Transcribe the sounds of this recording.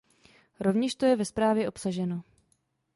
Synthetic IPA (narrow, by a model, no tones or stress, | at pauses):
ɾo̞vɲɛʃt̪o̞jɛvɛspɾaːvjɛʔo̞psaʒɛno̞